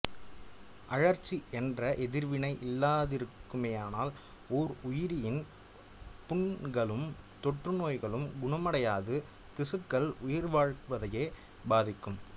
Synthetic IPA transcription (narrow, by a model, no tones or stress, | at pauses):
ʔɐɻɐɾt͡ʃːiʔɛndrɐʔɛðɪɾʋɪnɐɪʔɪlːaːðɪɾɯkːɯmeːaːnaːl | oːɾʊjɪɾɪjɪn | pʊɳɡɐɭɯm | t̪ɔʈrɯnoːjɣɐɭɯmɡʊɳɐmɐɽɐjaːðɯ | t̪ɪsɯkːɐɭʊjɪɾʋaːɻʋɐðɐjeː | baːðɪkːɯm